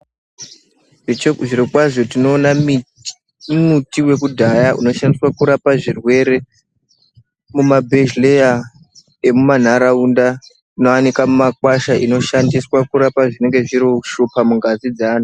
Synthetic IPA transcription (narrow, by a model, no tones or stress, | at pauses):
ʐiɾokwaʐotino̞ːna | mutiwe̞kudʱajaʔṵno̞ʃandiswakuɾapaʐirwe̞ɾe̞ | mumabʱe̞ʒleja | e̞muman̤aɾaunda | ino̞anikamumakwaʃaʔino̞ʃandiswakuɾapaʐine̞ŋɡe̞ʐiɾoʃupamuŋɡazid͡zaːn̤u